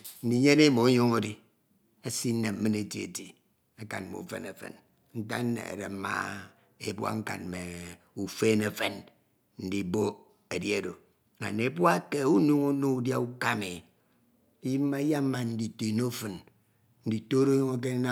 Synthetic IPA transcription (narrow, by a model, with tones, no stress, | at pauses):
n̩˦di˨ɲe˦ne˦mo˨˦ɲo˦ŋo˦di˦ | a˦si˦ne˨m̩˦mɨ˦ne˨ti˦ḛ˨ti˨ | a˦ka̰˨n˨mo̰˨fḛ˨nḛ˨fḛ˨n | n̩˦ta̰˦n˦nḛ˨a̰˨ɾḛ˨m̩˦ma̰˦˨ | ḛ˦bwa̰˦ŋ̩˦ka̰˨nme˨ | u˨fe˦ne˨fe˦n | n̩˦di˨bo˦ | e˨dje˨do˨ | a̰˨ne˨e˨˦bwa˦ke˦u˦nu˦ŋo˦nu˦u˦dja˦u˦ka˦me˨˦ | ji˦m˦ma˦ja˦m˦ma˨n̩˦di˨te˨no˦fɨ˨n | n̩˦di˨to˦ɾo˦ɲo˦ŋo˦k̬e˦na˦